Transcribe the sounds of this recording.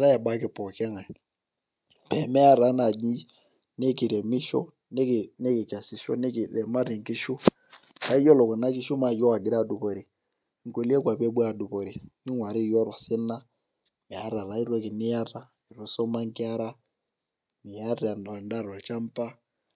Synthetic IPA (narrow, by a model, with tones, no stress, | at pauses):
ɾa˦ja˨ɓa˦kɪ˨pɔ˨kɛ˦ŋa˨ | pɛ˨mɛ˦a˦ɾa˨˦na˨d͡ʒi˦ | nɛ˦ki˨ɾɛ˨mi˦ʃɔ̰˦ | nɛ˦˨nɛ˦ki˨t͡ʃa˨si˨ʃɔ̰˦n˦˨lɛ˨ma˦ɾi˨ŋ˨ki˦ʃu˦ | ra˨˦i˦jɔ˦lɔ˨kɔ˨na˦ki˦ʃu˦ma˨d͡ʒɔ˦wa˨ɡi˨ɾa˦˨du˨pɔ˨ɾi˨ | ŋ̩˨ko˨li˦ɛ˦kwa˨pe˦ɓa˨du˨pɔ˨ɾi˨ni˦ŋwa˨ɾi˦˨jɔ˦ɾa˨sɪ˦na˦ | mɛ˨a˦ɾa˨ɾa˨i˦ɾwɔ˦ki˨nɪ˦ja˦ra˦ | i˨ɾɔ˦sɔ˦ma˦ŋ˦kɪ˦a˦ɾa˦ | ni˨ja˦ɾa˨nda˦˨ɾɔ˨t͡ʃa˦m˦pa˦